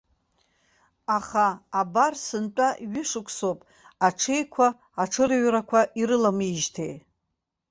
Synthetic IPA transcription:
aχaːbarsɨnt͡pʼaɥɪʂɨkʷʰsopʼ | aʈ͡ʂʰejkʷʰaː | ʈ͡ʂʰɨɾɥɾakʷʰaʔiɾɨlamɨʒtʰej

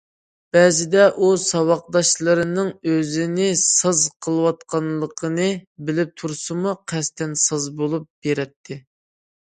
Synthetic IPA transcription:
b̥ɛzɪd̪ɛʔusɑwɑq̚d̪ɑʃlˠəɾɨnɨŋøzɪnɪsɑzqʰəlˠəwɑt̪̚qʰɑnlˠəqʰənɨbɪlɪp̚t̪ʰuɾsɨmuqʰɛst̪ɛnsɑzbolˠup̚b̥eɾɛt̪ʰːɪ

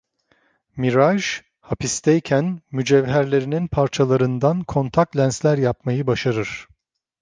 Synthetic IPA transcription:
miɾaʒ | hapʰist̪ʰɛjcʰænmyd͡ʒɛvɦæɾlʲe̞ɾininpʰaɾt͡ʃʰalˠaɾɯnd̪ankʰo̞nt̪ʰak̚t̪lʲænslʲæɾjapmajɯbaʃaɾɯɾ̥

